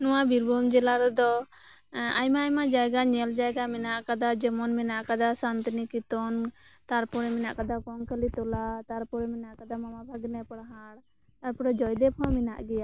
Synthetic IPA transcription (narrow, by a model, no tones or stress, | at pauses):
nɔwabiɾbɔmd͡ʒɛlaɾɛd̪ɔ | a̰jmaːjmad͡ʒaɡaɲɛld͡ʒajɡamɛnaʔkad̪ad͡ʒɛmɔnmɛnaʔkad̪asant̪nikit̪ɔnt̪aɾpuɽɛmɛnaʔkad̪akɔŋkəlit̪ɔlat̪aɾpuɾɛmɛnaʔkad̪amamabʱaɡnɛpɽɦaɽ | t̪aɾpuɽɛd͡ʒɔjd̪ɛpʰɔ̃mina̰ʔɡɛja